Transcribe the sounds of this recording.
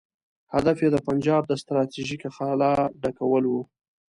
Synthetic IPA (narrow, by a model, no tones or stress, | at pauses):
had̪afjed̪əpand͡ʒɑb̚d̪əst̪ɾɑt̪iʒikaxalɑɖakawəlwu